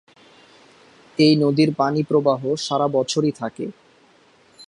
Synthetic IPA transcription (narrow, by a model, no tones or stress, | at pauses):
ejnod̪iɾpanipɾobaɦoʃaɾabɔt͡ɕʰoɾit̪ʰakḛ